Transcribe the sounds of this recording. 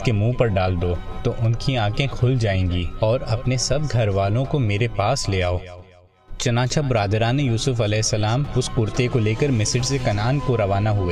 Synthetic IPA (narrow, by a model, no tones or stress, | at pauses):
kemũːpɐɾɖaːld̪ot̪oʔʊnkiãːkẽkʰʊld͡ʒaːẽːŋɡiːɔːɾɐpnesɐbɡʱɐɾʋaːlõkomeːɾepaːsleːaːoː | t͡ʃɐnaːt͡ʃʰabɾaːd̪ɾaːnejuːsʊfɐlɛːɪsːɐlaːmʊskʊɾt̪ekoleːkɐɾmɪsɪɖsekɐnaːnkoɾɐʋaːnaɦʊeː